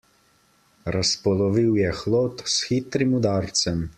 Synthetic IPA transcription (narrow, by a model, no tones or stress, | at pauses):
ɾaspɔlɔʋiwjɛxloːt̪sxit̪ɾimud̪aːɾt̪sɛm